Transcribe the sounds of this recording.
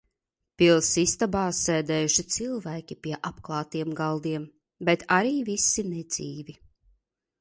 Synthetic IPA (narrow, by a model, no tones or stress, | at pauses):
pilˠsist̪abaːsːɛːd̪ɛːjuʃit̪silˠvæːkʲipiɛʔapklˠɑːt̪iɛmɡalˠd̪iɛm | bet̪ʰaɾiːvisinɛd̪z̥iːvi